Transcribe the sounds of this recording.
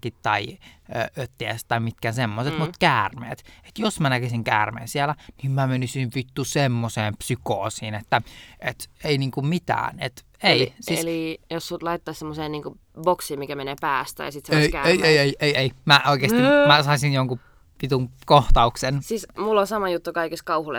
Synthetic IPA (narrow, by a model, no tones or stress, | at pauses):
kit̪tɑiøːøt̪ːiæst̪ːɑimit̪̚kænsemːoset̪mut̪kæːrmḛːt̪e̥t̪josmænækesiŋkæːrmḛːnsielænimmæmenysiʋʋit̪ːusemːoseːmpsykoːsiːnet̪ːæet̪einiːŋkummit̪æ̰ːnet̪ | eisiljossut̪lɑit̪ːɑːssemːoseːnniːŋku | boksiːmmikæmeneːpæːst̪æ̰jɑ̰sit̪seeikæeieieieieimæʔoˑikeːst̪imæsɑisinjoŋku | ʋit̪uŋkoht̪ɑuksensiːsmulːonsɑmɑjut̪ːukɑikist̪̚kɑuhulḛ